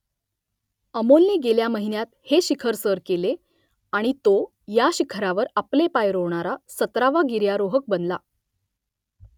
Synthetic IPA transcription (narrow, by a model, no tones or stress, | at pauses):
əmolneɡeljaməɦinjat̪heɕikʰəɾsəɾkele | aɽ̃it̪o | jaɕikʰəɾaʋəɾaplepajɾoʋɳaɾasət̪ɾaʋaɡiɾjaɾoɦək̚bənla